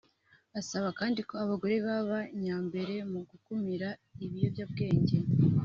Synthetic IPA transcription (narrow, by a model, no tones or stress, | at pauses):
asaβakaːndiko̞aβaɡo̞ɾe̞βaβaɲaːmbe̞ɾe̞muɡukumiɾaiβijo̞vjaːbɡe̞ːɲɟe̞